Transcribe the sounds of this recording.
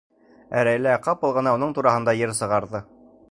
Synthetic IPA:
æɾæjlæqɑp̚ɤ̆lˠʁɤ̆nɑunɤɴt̪uɾɑɦɤ̆nd̪ɑjɘɾsɤ̆ʁɑɾðɤ

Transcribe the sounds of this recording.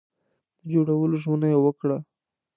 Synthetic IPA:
d̪̥əd͡ʒoɽawəloʒmənajewəkɽa

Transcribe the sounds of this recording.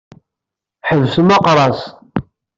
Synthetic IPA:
ħəvsəmɑqɾˤɑs

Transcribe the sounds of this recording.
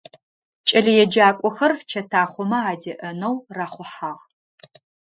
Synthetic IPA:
t͡ʃʼɐɮijɛd͡ʒaːkʷʼɔxɐrt͡ʃʰɐtʰaːχʷɔmɐaːdɐʔɐnɐwraːχʷʊħaːʁ

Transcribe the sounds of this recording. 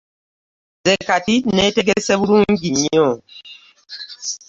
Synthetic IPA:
zɛkatitnɛteɡesɛbuɾuŋ̩ɡiɲɔ

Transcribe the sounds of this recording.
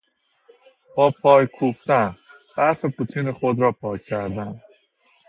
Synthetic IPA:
b̥ɒːpʰɒːjkʰuft̪ænb̥æfepʰut̪ʰiːneχod̪ɾɒːpʰɒːjʰːæɾd̪æn

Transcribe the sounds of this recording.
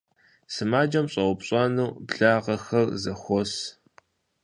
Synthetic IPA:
sɨmaːd͡ʒɐmɕʼɐwʷʊpɕʼɐnuːbɮaːʁɐxɐrzɐxʷɔs

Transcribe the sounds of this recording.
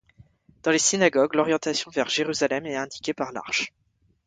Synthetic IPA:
d̪̥ɑ̃lesinaɡɔɡlɔʁjɑ̃t̪asjɔ̃vɛʁʒeʁyzalɛmɛɛ̃d̪ikʲepaʁla̰ʁʃ

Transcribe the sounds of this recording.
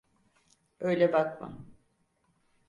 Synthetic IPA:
ø̞jlʲɛbakma̰

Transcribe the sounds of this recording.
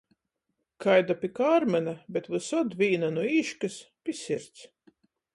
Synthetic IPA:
kʰajd̪apʲikaːɾmɛnabɛt̪vɨsɔd̪vʲiːnanuiːʃkɨspʲisʲiɾt̪s

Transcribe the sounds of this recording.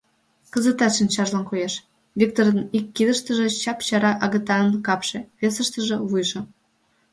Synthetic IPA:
kəzə̆t̪ɑt̪ʃinʲt͡ɕɑʒlɑnkojeʃ | vʲik̚t̪oɾənikːid̪əʃt̪ə̆ʒĕt͡ɕɑpt͡ɕɑɾɑʔɑɣət̪ɑənkɑpʃĕβesəʃt̪ə̆ʒĕβujʒɤ̆

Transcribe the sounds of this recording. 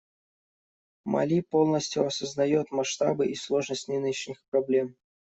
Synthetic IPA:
mɐ̰lʲipo̞lˠnəsʲtʲjʊɐsəznɐjo̞t̪mɐʂt̪a̰bɨʔislˠo̞ʐnəsʲtʲnʲɨnʲnʲɪɕnʲɪxpɾɐblʲe̞m

